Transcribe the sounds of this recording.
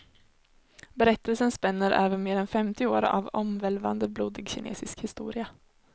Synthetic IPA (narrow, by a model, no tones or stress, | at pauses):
bɛɾɛt̪ːəlsənspɛnːəɾʔɛːvənmeːɾɛnfɛmt̪ɪoːɾʔa̰vɔmvɛlva̰nd̪əbluːd̪ɪɡɕɪnʔḛːsɪskhɪst̪ṵːɾɪa